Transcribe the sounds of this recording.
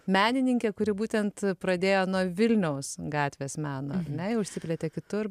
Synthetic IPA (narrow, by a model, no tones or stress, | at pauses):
mʲæːnʲɪnʲɪŋʲkʲeːkʊɾʲɪbuːt̪ʲɛnt̪pɾɐd̪ʲeːjoːnuɔʋʲɪlʲnʲɛʊsɡɑːt̪ʲʋʲeːsmʲæːnoːɐɾnʲɛɪʊʃʲsʲɪpʲlʲet̪ʲeːkʲɪt̪ʊr